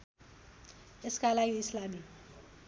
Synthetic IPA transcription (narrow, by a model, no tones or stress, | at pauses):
ɪskalajiɪslami